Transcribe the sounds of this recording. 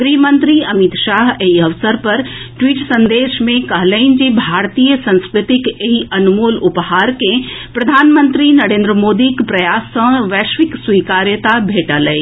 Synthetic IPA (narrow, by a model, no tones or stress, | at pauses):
ɡɾiːmə̃nt̪ɾiɐmit̪ʃaːɦeɦiɐʋsəɾpɐɾʈʋiːʈsə̃nd̪eːʃmẽkɐɦləɪnd͡ʒibʱaːɾt̪iːjəsə̃nskɾɪt̪ɪkeɦiɐnumuːlʊphaːɾkẽpɾɐd̪ʱaːnmə̃nt̪ɾinɐɾẽːnd̪ɾəmoːd̪ikpɾɐjaːsːə̃ʋɛːʃʋɪkswiːkaːɾjət̪abʱeːʈaləi